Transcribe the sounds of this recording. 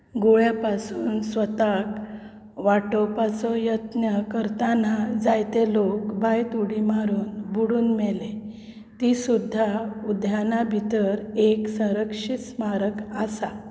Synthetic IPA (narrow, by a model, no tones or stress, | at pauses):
ɡoɭjapasuːnsʋət̪ak | ʋaʈɔpat͡sɔjət̪njəkəɾt̪anad͡zajt̪elokbʱajt̪uɽimaɾuːnbuɽuːnmɛle | t̪isud̪ʱːaud̪ʱjanabʱit̪əɾeksə̃ɾəkʂismaɾəkasa